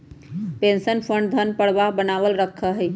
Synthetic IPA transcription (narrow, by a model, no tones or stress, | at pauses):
pensənpʰəɳɖd̪ʱənpəɽbabənaʋəlɾəkʰːəɦɛj